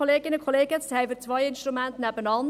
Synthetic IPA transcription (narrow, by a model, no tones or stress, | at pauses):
oleːɡɪnəkʰoleːɡ̥ət͡sʰhɛɪvət͡svaɪɪnʃtɾumæntnɛbənɑn